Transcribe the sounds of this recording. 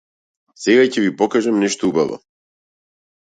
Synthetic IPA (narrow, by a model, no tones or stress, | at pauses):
sɛɡacɛvipɔkaʒamnɛʃt̪oubavɔ̰